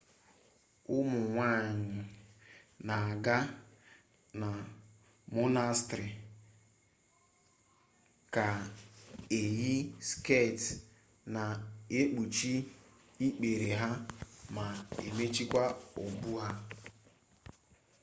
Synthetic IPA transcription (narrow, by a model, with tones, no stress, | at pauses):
ʊ˦mʊ˨ŋʷa˦˨ɲɪ˨ | na˨a˨ɡa˦ | na˨ | mʊ˦na˦stɾi˨ | ka˨ | e˨ji˦ske˦˨t | na˨e˦k͡pu˨t͡ʃi˦ | i˦k͡pe˨ɾe˨ɦa˦ma˨ḛ˨me˦t͡ʃi˦kʷa˦o˨bu˦ɦa˦